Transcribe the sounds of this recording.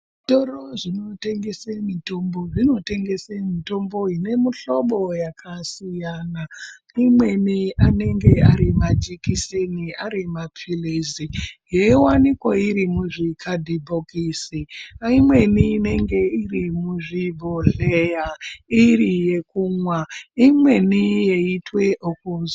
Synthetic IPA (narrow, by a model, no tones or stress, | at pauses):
toɾoʐino̞te̞ŋɡe̞semito̞mbo̞ʐino̞te̞ŋɡe̞semito̞mbo̞ine̞muɬoɓo̞jakʰasijana | imwe̞niane̞ŋɡe̞aɾimad͡ʒikiseniaɾimapʰilezijeiwanikwaiɾimuʐikʰadʱibʱokisiimwe̞niːne̞ŋɡe̞irimuʐibʱoɮejairije̞kumwaimwe̞nije̞itwe̞ʔokuza